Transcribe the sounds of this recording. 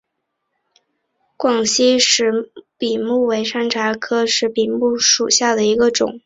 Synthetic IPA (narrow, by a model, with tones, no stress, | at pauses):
kwɑ˨˩ŋɕi˥ʂɻ̩˧˥pi˨˩mu˥˩we˧˥ɪʂa˥nʈ͡ʂʰa˧˥kʰɤ˥ʂɻ̩˥˩pi˨˩mu˥˩ʂu˨˩ɕja˥˩d̪ə˩i˧˥ɡə˧ʈ͡ʂʊ̰˨˩˦ŋ